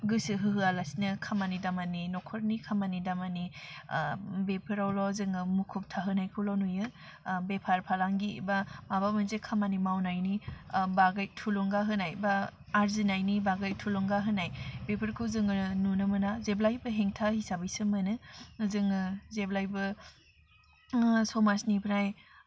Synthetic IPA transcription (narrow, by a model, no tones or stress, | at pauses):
ɡɯsɯɦɯɦɯalasinɐkʰamanidamaninɔkʰɔɾnikʰamanidamani | bepʰɯɾawlɔzɯŋɯmukʰup̚tʰaɦɯnajkʰulɔnujɯ | bepʰaɾpʰalaŋɡibamabamɯnzekʰamanimawnajnibaɡajtʰuluŋɡaɦɯnajbaː | ɾzinajnibaɡajtʰulɔŋɡaɦɯnajbepʰɯɾkʰɯzɯŋɯnunɯmɯnazeblajbɯɦeŋtʰahisabɯjsɯmɯnɯzɯŋɯzeblajbɯ | sɔmasnipʰɾaj